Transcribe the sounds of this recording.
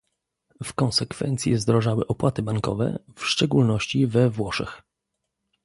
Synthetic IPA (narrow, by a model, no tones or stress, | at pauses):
fkɔñsɛkfɛ̰nt̪sʲjɛzd̪ɾɔʐawɘʔɔpwat̪ɘbaŋkɔ̰vɛ̰fʂt͡ʂɛɡulnɔɕt͡ɕivɛvwɔʂɛ̰x